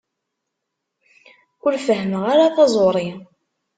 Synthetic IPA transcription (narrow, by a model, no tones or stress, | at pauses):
ʊɾfəɦəməʁaɾaθɑzˤoɾˤi